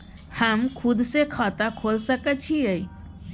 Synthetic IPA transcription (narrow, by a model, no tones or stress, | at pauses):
həmkʰud̪sekʰat̪akʰolsəkət͡ʃʰiəi